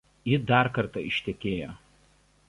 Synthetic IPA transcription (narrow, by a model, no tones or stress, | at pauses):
jɪd̪ɑːˑɾkɐɾt̪ɑɪʃʲt̪ʲɛkʲeːjoː